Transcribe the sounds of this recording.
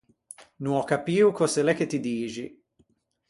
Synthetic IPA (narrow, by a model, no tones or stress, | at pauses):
nũɔkapiːukoselɛket̪id̪iːʒi